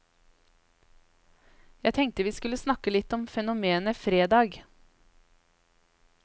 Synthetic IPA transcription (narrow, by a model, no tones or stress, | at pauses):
jæɪt̪ʰɛŋk̚t̪əʋiːskʉləsnɑkəlɪt̪ɔmfɛnʊmeːnəfɾeːd̪ɑːɡ